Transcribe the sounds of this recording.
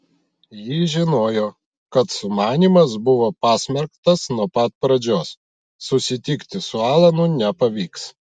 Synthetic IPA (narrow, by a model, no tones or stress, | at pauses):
jɪːʒʲɪnoːjoː | kɐt̪sʊmɑːnʲiːmɐsbʊʋoːpɑːsʲmʲɛɾkt̪ɐsnuɔpɐt̪̚pɾɐd͡ʒʲoːsː | ʊsʲɪt̪ʲɪkt̪ʲɪsʊɑːlˠɐnʊnʲɛpɐʋʲiːks